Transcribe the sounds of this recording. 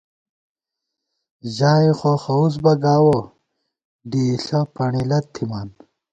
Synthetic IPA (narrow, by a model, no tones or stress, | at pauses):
ʑaːiχoxɐus̬bɐɡaːwo | ɖiːɬɐpʰɐɳilɐt̪ʰːimaːn